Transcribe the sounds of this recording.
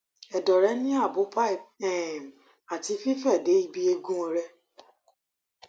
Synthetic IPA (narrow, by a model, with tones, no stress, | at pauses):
ɛ˨dɔ˨ɾɛ˨˦nĩ˦a˦˨bo˨˦pa˦˨ɛ˦˨m | a˨ti˧fi˦fɛ˦˨de˨˦i˦bi˦e˧ɡũ˦ɔ˧ɾɛ˧